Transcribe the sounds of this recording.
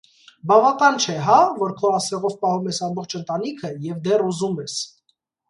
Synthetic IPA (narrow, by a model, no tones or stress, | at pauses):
bɑvɑkɑnt͡ʃʰɛɦɑvɔɾkʰɔɑsɛʁɔvpɑhumɛsɑmbɔχt͡ʃʰənt̪ɑnikʰəjɛvd̪ɛruzumɛs